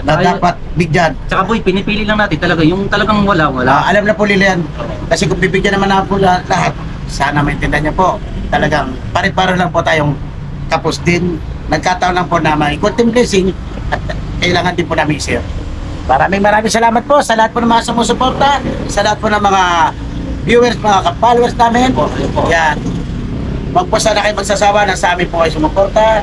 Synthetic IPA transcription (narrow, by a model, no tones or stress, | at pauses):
nɐd̪aːpat̪̚bɪɡjant͡ʃɐkapʊjpɪnɪpiːlɪlɐŋnaːt̪ɪnt̪ɐlɐɡajʊŋt̪ɐlɐɡaŋwɐlawɐlaʔɐlamnɐpʊlɪlɪjan | kɐsɛkʊŋbibɪɡjɐnɐmanapʊlɐat̪lɐɦat̪̚ | saːnɐmɐʔɪnt̪ɛnd̪ɪhaɲːapo̞ʔ | t̪ɐlɐɡaŋ | paɾɪt̪̚paːɾonlɐŋpot̪aːjoŋ | k̪ɐpʊsd̪ɪn | nɐɡ̚kaːt̪ɐʔonlɐŋponɐmɐɪkont̪ɪmplɛsɪŋ | ʔɐt̪̚ | kɐʔɪlaːŋɐnd̪ɪnpʊnamɪŋsɛɾ | mɐɾaːmɪŋmɐɾaːmɪŋsɐlaːmɐt̪̚po̞ʔsɐlɐhat̪̚ponɐŋmɐŋasʊmoːsʊpoɾt̪ɐsɐlɐhat̪̚ponɐŋmɐŋa | bjuːwɛɾsmɐŋakɐpalowɛɾsnaːmɪnoja | wɐɡ̚poʔsaːnɐkɐjoŋmɐɡ̚sasaːwanɐsɐʔaːmɪnpokɐjs̬ʊmʊpoɾt̪a